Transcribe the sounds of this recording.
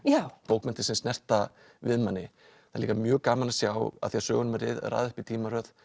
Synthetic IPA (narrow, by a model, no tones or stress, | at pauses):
jawpoːwkmɛnt̪ɪ̥sɛmst̪nɛr̥t̪a | vɪðmanːɪ | θaliːkamjœːɣkaːmanasjawa̰ðθiasœːɣʏnʏmaɾɪ̰ðra̰ːðʏhpit̪ʰiːmaɾœð